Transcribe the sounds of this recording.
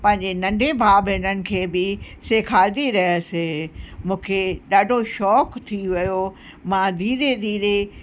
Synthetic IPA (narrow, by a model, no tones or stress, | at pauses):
pɐ̃ɦɪ̃ɲd͡ʑenɐ̃ɳɖʱebʱaːbenənɪ̆kʰeːbɪseːkʰaːld̪iɾɐɦsemũːkʰeɗaːɖʱoʃɔːkt̪ʰiʋɐjo | mãd̪ʱiːɾed̪ʱiːɾe